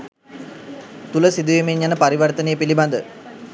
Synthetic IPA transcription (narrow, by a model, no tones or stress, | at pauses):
t̪uləsid̪uʋemeɲjanəpaɾiʋɐrt̪ənejəpiliband̪ə